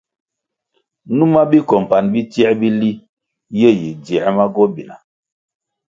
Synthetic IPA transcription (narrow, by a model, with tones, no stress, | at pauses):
nu˦ma˦bi˦kɔ˨m˨pa˨nbi˦tjɛ˦bi˦li˦ | je˦˨ji˨djɛ˨˦ma˦ɡɔ˦bi˨na̰˨